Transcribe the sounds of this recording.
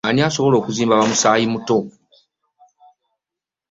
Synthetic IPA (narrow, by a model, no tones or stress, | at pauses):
aniaso̞βo̞lo̞ːkuziːmbaβamusaːjimuto̞